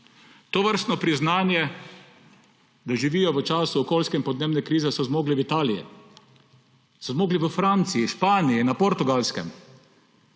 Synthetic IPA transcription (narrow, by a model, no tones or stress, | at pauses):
t̪oʋəɾst̪nɔpɾiznaːnjɛ | d̪aʒiʋiːjɔʋət͡ʃaːsuɔkoːlskɛinpɔd̪neːbnɛkɾiːzɛsɔzmoːɡliʋit̪aːlijɛ̰ | sɔzmoːɡliʋəfɾant̪siiʃpaːniinapɔɾt̪uɡalskɛ̰m